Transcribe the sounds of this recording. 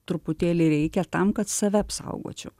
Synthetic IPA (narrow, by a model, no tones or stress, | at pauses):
t̪ɾʊpʊt̪ʲeːlʲɪɾʲɛɪkʲɛt̪ɐmkɐt̪sɐʋʲɛɐpsɐ̰ʊɡo̰ːt͡ʃʲʊ